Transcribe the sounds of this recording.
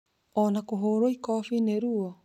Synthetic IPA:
ɔːnakoɦoːɾoikɔfineɾuɔ

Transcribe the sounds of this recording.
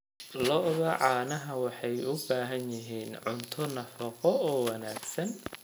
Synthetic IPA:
lɔʔɣɐʕɑːnɐɦɐwɑħɑjʊbaːɦɐnjɪɦiːnʕʊnt̪ʰʊnɐfɐqɔɔːwɑnaːɡsɐn

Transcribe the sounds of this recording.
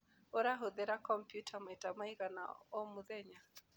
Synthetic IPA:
oɾaɦoðɛɾakɔmpjutʰamɛtamaiɣana̰ɔmuðɛɲa

